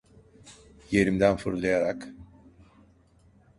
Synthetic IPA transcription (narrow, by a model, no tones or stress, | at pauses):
je̞ɾimd̪ænfɯɾlˠajaɾak